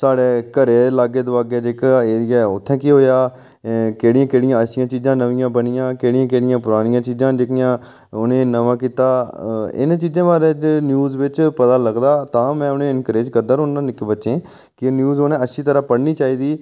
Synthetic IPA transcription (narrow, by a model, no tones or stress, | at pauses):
saːɽeːkəɾeːlaːɡeːd̪ʊʋaːɡeːd͡ʒeːkaːeːɾɪjaːʊt̪ʰːɛ̃ːkiːɦoːjaː | keːɽɪjãːkeːɽɪjãːəʃɪjãːt͡ʃiːzãːnəʋɪjãːbənɪjãːkeːɽɪjãːkeːɽɪjãːpʊɾaːɽɪjãːt͡ʃiːd͡ʒãːd͡ʒekɪjãː | ʊnẽːnəʋãːkiːt̪aːɪ̰nːt͡ʃiːd͡ʒẽːʋaːɾeːnjuːzʋɪt͡ʃpət̪aːləɡd̪aːt̪ãːmɛ̃ːʊnẽːɪnkɾeːd͡ʒkəd̪əɾõnãːnɪkbətːʃẽː | kɪnjuːzonẽːəʃʰiːt̪əɾãːpəɽniːt͡ʃaːiːd̪iː